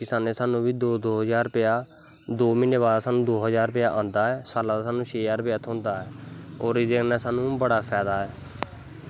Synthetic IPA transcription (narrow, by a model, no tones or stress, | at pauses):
kɪsaːneːsaːnũːʋiːd̪oːd̪oːɦəzaːɾpɪaː | d̪oːmɪneːβaːɾasaːnũːd̪oːɦəzaːɾpɪjaːʔãːnd̪aːɛːsaːlaːd̪asaːnũːʃʰeːaːɾpɪjaːt̪ʰõːnd̪aːɛːoːɾɪd̪eːkʰnɛːsaːnũːbəɽaːpʰɛːd̪aːɦɛː